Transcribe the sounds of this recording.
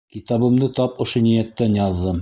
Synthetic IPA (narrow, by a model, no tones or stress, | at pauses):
kit̪ɑβɤ̆md̪ɤt̪ɑpŏʃonijæt̪ːænjɑðːɤm